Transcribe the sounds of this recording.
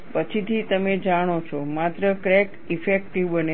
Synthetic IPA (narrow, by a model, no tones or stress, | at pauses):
pət͡ʃʰit̪ʰit̪əmed͡ʒaɽ̃ot͡ʃʰomat̪ɾəkɾɛk | ifekʈiʋbəne